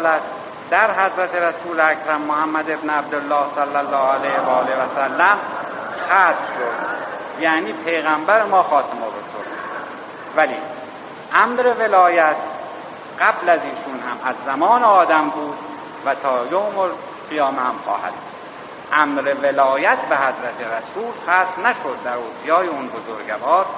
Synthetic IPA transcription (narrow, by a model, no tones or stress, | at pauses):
læt̪ | d̪æɾɦæzɾæt̪ʰeɾæsuːleækʰɾæmːohæmːæd̪e̞bneæb̚d̪olːɒːhsælːælːɒːælejhevɒːlevæsælːæmxæːt̪ʃod̪ | jæːniːpʰe̞jɣæmbæɾemɒːxɒːt̪ʰæmeːd̪okt̪ʰoɾu | vælḭː | ʔæmɾe̞velɒːjæt̪ʰ | ɢæblæziːʃunhæmæzːæmɒːneɒːd̪æmbuːd̪ | væt̪ʰɒːjomo | qijɒːmehæmxɒ̰ːhæ̰d̪̚bud̪ | ʔæmɾevelɒːjæt̪ʰbehæzɾæt̪ʰeɾæsuːlxæːt̪ʰnæʃo̞d̪̚ːæɾoːsijɒːjeunbozoɾɟævɒːɾ